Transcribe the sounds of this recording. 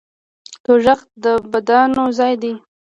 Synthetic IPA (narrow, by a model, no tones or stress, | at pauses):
t̪oʒaxt̪̚d̪əbad̪anozɑjd̪i